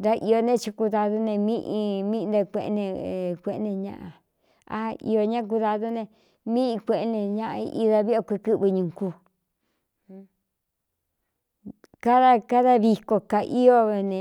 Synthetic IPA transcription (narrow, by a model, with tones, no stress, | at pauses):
nd̪a˦ʔi˧o˧nẽ˦t͡ʃi˧ku˧ða˧ðu˦nẽ˧mĩ˦ʔi˧mĩ˦˧d̪a˧kʷe˧ʔnẽ˧˨kʷe˧ʔnẽ˧ɲã̰˧ʔã̰˧ | a̰˦ḭ˧o˧ɲã˦k̬u˧ða˧ðu˦nẽ˧ | mĩ˦i˧kʷe˧ʔnẽ˧ɲã˦ʔa˧ḭ˧ʔi˧ða˧βi˦a˧kʷe˧kɨ˦βɨ˧ɲũ˨ŋku˧ | ka˦ða˦ka˦ða˦βi˧ko˧ka˨ʔi˦o˦βe˧nẽ˨˧